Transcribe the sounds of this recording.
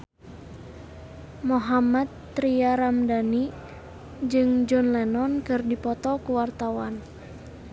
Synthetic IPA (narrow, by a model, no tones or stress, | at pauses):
moɦamat̪̚ː | ɾiaɾamdani | d͡ʒɨŋd͡ʒɔnlɛnɔnkɨrdipɔt̪ɔkuwart̪awan